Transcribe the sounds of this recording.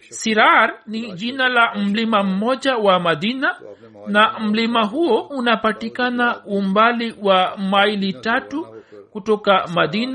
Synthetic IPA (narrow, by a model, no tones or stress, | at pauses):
siɾaɾniʄinalam̩limam̩mɔʄawamaðina | nam̩limaɦuɔunapatikanaumbaliwamailitatukutɔkamaðina